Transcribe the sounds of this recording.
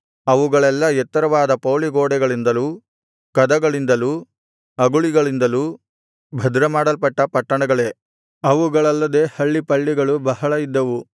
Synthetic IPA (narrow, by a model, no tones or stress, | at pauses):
ɐʋuɡɐɭɛlːɐɛt̪ːɐɾɐʋaːd̪ɐpoːɭiɡoːɽɛɡɐɭind̪ɐlu | kɐd̪ɐɡɐɭind̪ɐluː | ɐɡuɭiɡɐɭind̪ɐlu | bʱɐd̪ɾɐmaːɽɐlpɐʈːɐpɐʈːɐɳɐɡɐɭe̞ː | ɐʋuɡɐɭɐlːɐd̪e̞ːhɐɭːipɐɭːiɡɐɭubɐɦɐɭɐid̪ːɐʋu